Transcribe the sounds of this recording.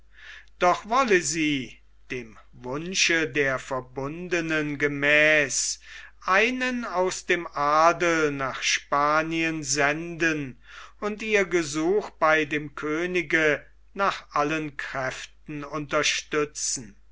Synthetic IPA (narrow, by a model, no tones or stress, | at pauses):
d̥ɔχvɔləziː | d̥eːm | vʊnʃədeːɐfɛɐbʊndənənɡəmɛːsʔaɪnənaʊsd̥eːmʔaːdl̩naːχʃpaːniənzɛndənʊntiːɐɡəzuːxb̥aɪdeːmkʰøːnɪɡə | naːχʔalənkʁ̥ɛftn̩ʊntɐʃtʏt͡sn̩